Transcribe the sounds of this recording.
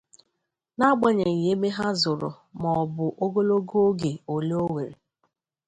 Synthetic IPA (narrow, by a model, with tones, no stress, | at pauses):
na˦ɡ͡ba˦ɲe˨ŋ̩˨je˦me˦ɦa˦zʊ˨ɾʊ̰˨ | mɔ˨bʊ˨ʔo˦ɡo˦lo˦ɡo˦ɡe˨o˨le˦o˦we˨ɾḛ˨